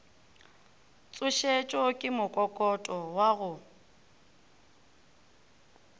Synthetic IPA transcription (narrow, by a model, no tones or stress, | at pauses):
t͡sʼʊʃet͡ʃʼɔkʼɪmʊkʼɔkʼɔtʼɔwaɣʊ